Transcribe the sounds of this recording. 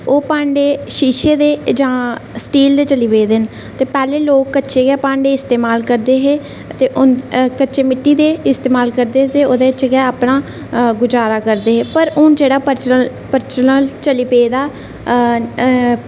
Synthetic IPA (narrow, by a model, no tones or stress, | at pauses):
oːpãːɳɖeːʃiːʃeːd̪eːd͡ʒãːsʈiːld̪eːt͡ʃəliːpeːd̪en | t̪eːpɛːleːloːkːətːʃeːɡɛːpãːɳɖeːɪst̪eːmaːlkəɾd̪eːɦeː | t̪eːʔʊnkətːʃeːmɪʈːiːd̪eːɪst̪eːmaːlkəɾd̪eːt̪eːoːd̪eːət͡ʃeɡɛːaːpɳaː | ɡʊd͡ʒaːɾaːkəɾd̪eːɦeːpəɾʊnd͡ʒeːɽaːpəɾt͡ʃ | pəɾt͡ʃənəlt͡ʃəliːpeːd̪aː